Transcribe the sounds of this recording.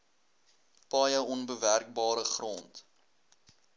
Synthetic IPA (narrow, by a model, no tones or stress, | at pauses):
pɑːjəɔnbəværk̚bɑːɾəχrɔnt